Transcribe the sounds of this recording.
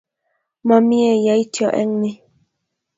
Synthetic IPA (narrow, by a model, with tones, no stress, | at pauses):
mɔ˨mi˦ɛ˨ja˨˦i˦tjɔ˨ʔɛ̰˦ŋne˦